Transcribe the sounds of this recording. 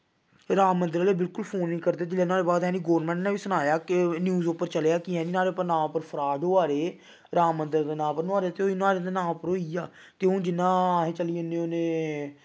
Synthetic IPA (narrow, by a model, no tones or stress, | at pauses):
ɾaːmːənd̪əɾːleːbɪlkʊlpʰoːnːiːkəɾd̪eːd͡ʒɪlːẽːnãːɾeːbaːd̪ɦɛ̃ːniːɡɔːʋəɾmɛ̃ːɳʈnãːʋiːsʊnaːjaːkɪnjuːzoːpəɾt͡ʃəleːaːkiɛ̃ːniːnaːɾeːpːəɾnãːpəɾpʰəɾaːd̪oːaːɾeː | ɾaːmːənd̪əɾd̪eːnãːpəɾnaːɾet̪eoinaːɾed̪eːnãːpəɾoːiːaː | t̪eːõːd͡ʒɪnːãːɦẽːt͡ʃəliːʊnːẽːʊnẽː